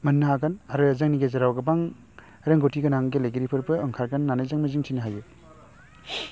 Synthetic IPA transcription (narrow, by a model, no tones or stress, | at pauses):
mɐnːaɦaɡɐnaɾɯzaŋniɡezɐɾawɡɐbaŋ | ɾeŋɡotʰiɡɐnaŋɡelejɡeɾipʰɯɾbɯːŋkʰaɾkanːanajzaŋmɐziŋsʰinɐɦaju